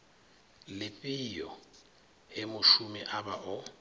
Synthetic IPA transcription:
lɪpʼijɔ | ɪmʊʃumiʔabaʔʊ

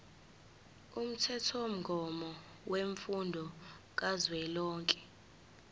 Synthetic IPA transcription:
um̩tʰɛtʰɔom̩ɡʱɔmɔ | weɱfundʱɔ | k̬azwɛlɔːŋkʼɛ̥

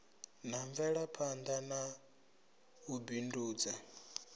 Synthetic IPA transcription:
n̤aɱvɛɺapʰand̪ana | ubinduːd͡za

